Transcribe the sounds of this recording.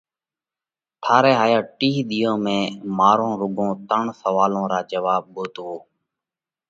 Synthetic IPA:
ʈʰaːɾeːɦaːjaːʈiːɗ̪ijõːmẽːmaːɾõːɾʊɡʱõːt̪əɳsəʋaːlõːɾaːd͡ʒəʋaːɓ̚ɓoːt̪ɦoː

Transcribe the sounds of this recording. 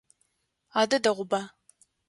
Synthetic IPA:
aːdɐdɐʁʷʊba

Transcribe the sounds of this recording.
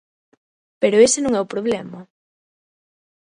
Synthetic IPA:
peɾoesenõŋɛʊpɾoβlɛmɐ

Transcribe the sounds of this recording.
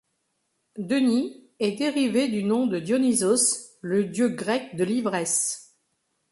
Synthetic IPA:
d̪əni | ɛd̪eʁived̪ynɔ̃d̪əd̪jɔnizosləd̪jøɡʁɛk̚d̪əlivʁɛs

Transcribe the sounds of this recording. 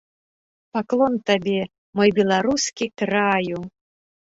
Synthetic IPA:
paklˠɔnt̪abʲɛ | mɔjbʲɛlˠaɾuskʲikɾaju

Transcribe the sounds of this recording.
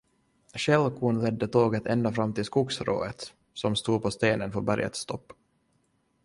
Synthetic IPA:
ɕɛlkʰuːnlɛd̪ːət̪ʰoːɡət̪ʰɛnd̪afɾamːt̪ɪlskuksɾo̰ːət̪ | sɔmst̪uːpʰɔst̪eːnənfœɾbæɾjə̰t̪st̪ʰɔpː

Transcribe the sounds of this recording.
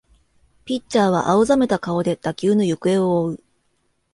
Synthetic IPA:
pʲit͡ɕːaːβ̞a̰ʔaɯ̟zame̞t̪akao̞d̪e̞t̪akʲɨːnojokɯ̟e̞ooɯ̟

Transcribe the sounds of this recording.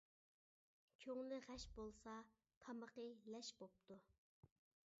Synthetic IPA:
kʲʰøŋlɪʁɛʃbolˠsɑ | t̪ʰɑməqəlɛʃbop̚t̪ʰu

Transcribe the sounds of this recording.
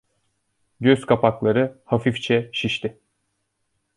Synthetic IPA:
ɟøzkʰapaklˠaɾɯhafift͡ʃʰɛʃiʃt̪ʰɪ

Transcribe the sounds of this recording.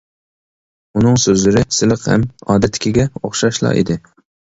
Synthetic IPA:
unɨŋsøzlɪɾɪsɪlˠɨqhæ̰mɑːd̪ɛt̪ʰːɪ̥kʲiɡʲɛoχʃɑʃlˠɑ̰ːʔḭd̪ɪ

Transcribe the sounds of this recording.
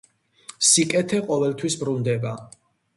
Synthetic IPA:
sikʼɛt̪ʰɛqʼɔvɛlt̪ʰwisbɾund̪ɛba

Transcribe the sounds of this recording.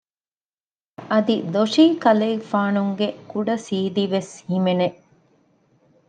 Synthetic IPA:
ɐd̪id̪oʂiːkɐleːfaːnuŋɡekuɖɐsiːd̪iʋeshimene

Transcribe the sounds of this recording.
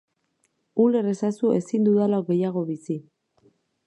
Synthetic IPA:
ule̞re̞sasue̞sind̪uðalaoɡe̞jaɣ̞o̞βisi

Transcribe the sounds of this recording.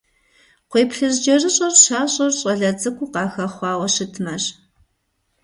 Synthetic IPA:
qʷeːpɬɨzd͡ʒɐrɨɕʼɐrɕaːɕʼɐrɕʼɐɮɐd͡zɨkʷʰʼʊqɑːxɐχʷɑːwɐʂɨtʰmɐɕ

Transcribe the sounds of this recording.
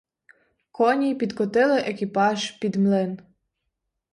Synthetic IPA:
kɔnʲipʲid̪kɔt̪ɪlˠɪʔekʲipɑʒpʲid̪mlˠɪn

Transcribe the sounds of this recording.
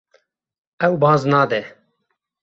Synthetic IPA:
ɛwbɑ̃ːznɑːd̪ɛ

